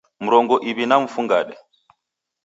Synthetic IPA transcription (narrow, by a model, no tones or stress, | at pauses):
m̩ɾɔŋɡɔʔiβinam̩fuŋɡa̰ɗɛ